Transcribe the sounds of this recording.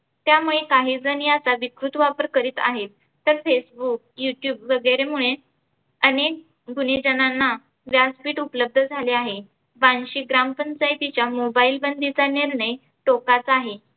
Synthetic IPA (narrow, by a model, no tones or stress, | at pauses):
t̪jamuɭekaɦiːd͡zənjat͡saʋikɾut̪ʋapəɾkəɾiːt̪a̰ɦet̪ːəɾfesbuk̚juʈjuːbʋəɡəjɾemuɭe | ənek̚ | ɡʱuned͡ʑənanːa | ʋjaspiːʈupləb̚d̪ʱəd͡zʱaleaɦe | ʋanɕiːɡɾampənt͡sajt̪it͡ɕjamobailbənd̪ʱit͡saniɾɳəj | ʈokat͡saɦe